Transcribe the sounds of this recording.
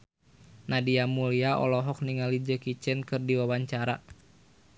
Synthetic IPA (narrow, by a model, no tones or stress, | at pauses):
nadiamuliaʔɔ̰lɔɦɔk̚niŋalid͡ʒəkit͡ʃɛnkɨrdiwawaɲt͡ʃaɾa